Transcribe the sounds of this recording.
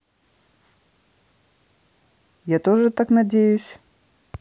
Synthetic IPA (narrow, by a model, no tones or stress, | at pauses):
jat̪ɔʐɨt̪aknɐd͡zʲejusʲ